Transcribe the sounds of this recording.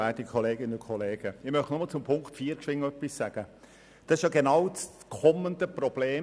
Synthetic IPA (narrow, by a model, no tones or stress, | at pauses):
æɪtikʰɔleːɡ̥ɪnəʊkʰɔleːɡ̥əɪmœχtnɔmɑlt͡sʊmpʰʊŋktfiːɾkʃʋɪŋːəœpːissæɡ̥ə | d̥ɑsɪʃjɑɡenɑwt͡s | kʰɔməndəprɔb̥leː